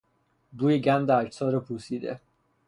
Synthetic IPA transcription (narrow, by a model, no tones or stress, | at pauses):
b̪uːjiɟænd̪æɾsɒːɾɔpʰusiːd̪ḛ